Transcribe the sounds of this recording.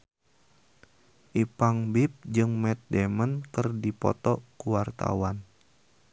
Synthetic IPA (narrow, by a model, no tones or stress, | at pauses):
ʔipaŋbip̚d͡ʒɨŋmɛt̪̚dɛmənkɨrdipɔ̰t̪ɔkuwart̪a̰wan